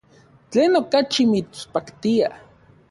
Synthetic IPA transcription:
t͡ɬeːnokat͡ʃimit͡spakt̪ia

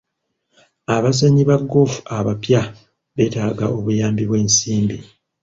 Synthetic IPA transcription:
aβazeɲiβaɡːo̞fu̥aβapja | βe̞ːtaːɡao̞βujaːmbiβwe̞ːnsiːmbi

